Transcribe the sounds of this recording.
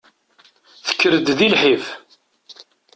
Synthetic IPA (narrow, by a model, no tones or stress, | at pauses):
θə̥kːəɾəd̪ðilħif